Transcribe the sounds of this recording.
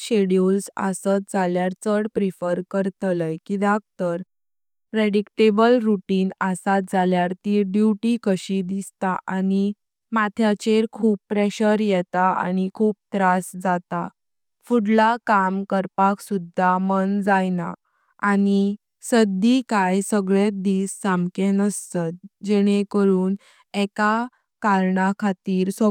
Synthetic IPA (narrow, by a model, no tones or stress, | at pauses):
ɕeɽjulsa̰sət̪̚d͡zaljaɾt͡səɽpɾifəɾkəɾt̪ləjkid̪ak̚t̪əɾ | pɾeɽikʈebəlɾuʈiːnasat̪̚d͡zʱaljaɾt̪iːɖjuʈikəɕid̪ist̪aʔani | mat̪ʰjat͡ɕeɾkʰuːppːɾeɕəɾjɛt̪aa̰ñikʰuːp̚t̪ɾasd͡zat̪a | fuɽlakamkəɾpaksud̪ʱːamənd͡zajna̰ | ani | səd̪ikajsəɡɭet̪d̪iːsːamkẽnəst̪at̪̚d͡ʑɛɽ̃ekəɾuːn | ɛka | kaɾɳakʰat̪iːɾsɔ